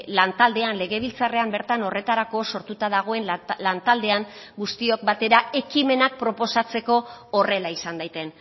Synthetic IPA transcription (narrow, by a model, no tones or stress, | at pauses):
lant̪ald̪e̞anle̞ɣe̞β̞ilt͡sare̞ambe̞ɾt̪ano̞re̞t̪aɾako̞so̞ɾt̪ut̪að̞aɣ̞o̞e̞nlant̪ald̪e̞aŋ | ɡust̪io̞k̚bat̪e̞ɾae̞kime̞nak̚pɾo̞po̞sat͡se̞ko̞ːre̞laisand̪ajt̪e̞n